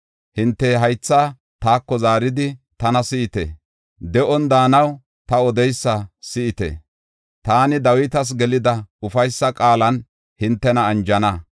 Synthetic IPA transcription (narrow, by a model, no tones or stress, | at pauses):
hɪnt̪ːɛɦɐjt͡sːaː | t̪aːkːɔzaːɾɪd̪ɪt̪ɐnɐsɪɪt̪ɛ̰ | d̪ɛʔɔnd̪aːnɐw | t̪ɐɔd̪ɛjsːɐsɪʔɪt̪ɛ̰ | t̪aːnɪd̪ɐwɪt̪ɐs̬ɡɛlɪd̪ɐʊfɐjsːɐkʼaːlɐn | hɪnt̪ːɛnɐːnd͡ʒɐnɐ